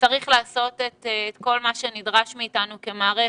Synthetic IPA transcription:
t͡saʁiχlaːso̞tetːtko̞lmaʃe̞nidʁaʃmiːtanuke̞maːʁe

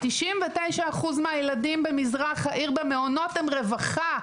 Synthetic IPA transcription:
tiʃimvetejʃaːχuzmeajeladimbemizʁaχhaʔiʁbemeono̞temʁevaχa

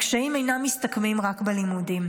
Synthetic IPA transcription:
kʃajimejnamist̪akmimʁakbelimudim

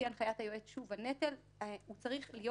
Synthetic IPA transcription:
janχajathajoetʃuvanet̪el | ut͡saʁiχlijo

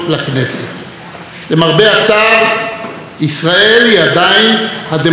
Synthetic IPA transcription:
lakneset̪ | lemaʁbeat͡saːʁ | isʁaeliad̪ainhad̪e

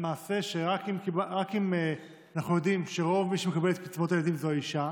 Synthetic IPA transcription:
emaːse̞ʃeʁakimkibaʁakim | anaχnujo̞dimʃe̞ʁo̞vmiʃemekabelet̪pit͡svo̞t̪ajelad̪imzoaiʃa

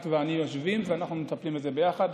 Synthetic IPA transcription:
t̪veanijoʃvimveanaχnumet̪aplimetze̞bejaχad̪

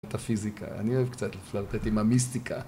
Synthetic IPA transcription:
t̪afizikʰa̰a̰nioevkt͡sat̪llaʁt̪et̪imamistikʰa̰

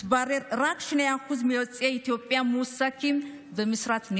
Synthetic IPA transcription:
baɾeɾɾakʃinajakuzmiwɔt͡sʼjait̪jopʼːjamusakim | bəmɨsɾat̪n

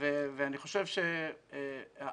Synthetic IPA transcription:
veveaniχo̞ʃevʃe | a

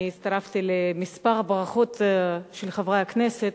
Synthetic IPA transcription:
it̪st̪aɾaft̪ilemispaʁbʁaχo̞t̪ʃelχevʁehakneset̪

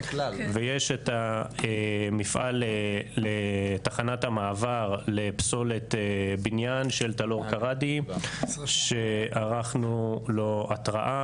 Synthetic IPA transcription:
vejeʃet̪aemifʔa̰leletaχanathamaːvaʁlepso̞let̪binjanʃe̞lt̪alo̞ʁkaʁadi | ʃe̞aʁaχnulo̞at̪ʁaʔa

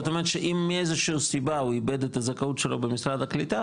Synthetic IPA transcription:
ot̪omeet̪ʃeʔimːiezeʃuːsibauibed̪et̪azakaut̪ʃelobemisʁad̪aklit̪a

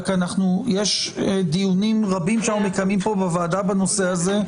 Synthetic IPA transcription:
kanaχnujeʃd̪ijunimʁabimʃeanumekamimpo̞bevaːd̪abano̞se̞aze̞

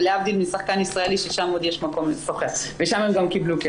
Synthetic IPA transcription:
leavd̪ilmisaχkanisʁaeliʃeʃamod̪jeʃmako̞mfoχeʁveʃamemɡamkibluke

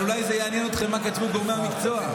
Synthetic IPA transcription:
ulajzejeanjeno̞t̪χemːakat̪vuɡoʁmeamikt͡so̞a

